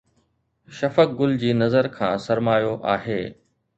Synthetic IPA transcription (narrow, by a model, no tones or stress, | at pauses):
ʃɐfək̚ɡʊld͡ʑiːnɐzəɾkʰãːsɐɾmaːjoʔaːɦeː